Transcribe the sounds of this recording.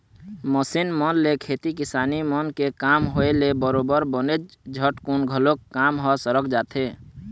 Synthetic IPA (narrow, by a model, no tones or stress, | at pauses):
məsinmənlekʰet̪ikɪsaːnimənkekaːmɦoelebəɾobəɾbəned͡ʒd͡ʒʱəʈkunɡʱəlokkːamɦɔsəɾəkd͡ʒaːt̪ʰe